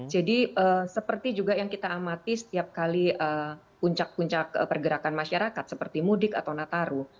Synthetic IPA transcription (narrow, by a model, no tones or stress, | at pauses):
d͡ʒadiʔəsəpərt̪id͡ʒuɡajaŋkit̪aːmat̪isə̥t̪iap̚kaliə | puɲt͡ʃak̚puɲt͡ʃak̚pərɡəɾakanmaʃaɾakat̪̚səpərt̪imudɪka̰t̪awnat̪aɾu